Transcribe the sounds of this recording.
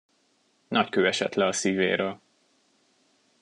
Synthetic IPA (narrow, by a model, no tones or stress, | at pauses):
nɒckøːɛʃɛt̪lɛɒsiːvḛːɾøːl